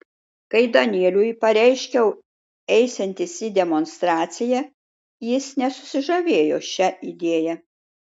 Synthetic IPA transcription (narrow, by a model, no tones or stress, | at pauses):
kɐɪd̪ɐnʲiɛlʲujpɐɾʲɛɪʃʲkʲɛʊ | ɛɪsʲɛnʲt̪ʲɪsʲid̪ʲɛmonst̪ɾɑːt̪sʲɪjɛ | jɪsnʲɛsʊ̥sʲɪʒɐʋʲeːjoːʃʲɛid̪ʲeːjɛ